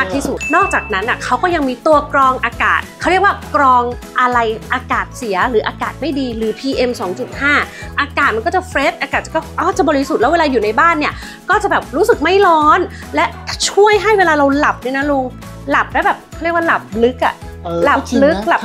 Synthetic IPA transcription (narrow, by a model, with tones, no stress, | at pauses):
ma˦˥k̚t̪ʰi˥˩su˨˩t̪̚nɔː˥˩k̚t͡ɕaː˨˩k̚na˦˥nʔa˨˩kʰa˦˥wkɔː˥˩ja˧ŋmiː˧t̪u˧ɐkɾɔː˧ŋʔaː˧ka̰ː˨˩t̪̚kʰa˦˥wɾi˥˩ək̚waː˥˩kɾɔː˧ŋ | ʔa˧ɾa˧jʔaː˧kaː˨˩t̪̚si˨˩˦ɐɾɯː˩˦ʔaː˧kaː˨˩t̪̚ma˥˩jdiː˧ɾɯː˩˦pʰiː˧ʔe˧msɔː˩˦ŋt͡ɕu˨˩t̪̚haː˥˩ʔaː˧kaː˨˩t̪̚ma˧nkɔː˥˩t͡ɕa˨˩fɾe˦˥t̚ʔaː˧kaː˨˩t̪̚a˨˩kːɔː˥˩ʔɔː˧˥˩t͡ɕa˨˩bɔː˧ɾi˦˥su˨˩t̪̚lɛ˦˥weː˧laː˧juː˨˩na˧jbaː˥˩nːi˥ɐ | kɔː˥˩t͡ɕa˨˩bɛː˨˩p̚ɾuː˦˥sɯ˨˩k̚ma˥˩jlɔː˦˥n | lɛ˦˥˩t͡ɕʰu˥˩əjɦa˥˩jweː˧laː˧ɾa˧wla˨˩p̚ni˥˩na˦˥lo˧ŋ | la˨˩p̚lɛ˦˥bɛː˨˩p̚kkʰa˥˩ɾi˥˩kwa˥˩la˨˩p̚lɯ˦˥k̚ʔa̰˨˩ | la˨˩p̚lɯ˦˥k̚la˨˩p̚